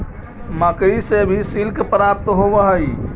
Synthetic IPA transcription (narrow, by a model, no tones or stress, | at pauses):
məkɾisebʱisilkpɾap̚t̪ɦobəɦəi